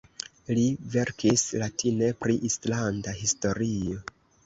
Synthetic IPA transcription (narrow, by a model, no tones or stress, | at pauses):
live̞ɾkʰislatʰine̞pɾiʔislandaɦisto̞ɾio̞